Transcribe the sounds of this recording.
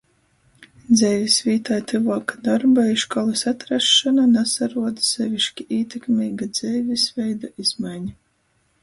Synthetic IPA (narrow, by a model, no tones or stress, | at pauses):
d̪zɛjvʲisvʲiːt̪ajt̪ɨvɔːkad̪aɾbaiʃkɔlˠɨsat̪ɾaʃːananɛsaɾuɔd̪sɛvʲiʃkʲiʔiːt̪ʲekmʲiːɡad̪z̥ɛjvʲisvɛjd̪uiz̥majɲa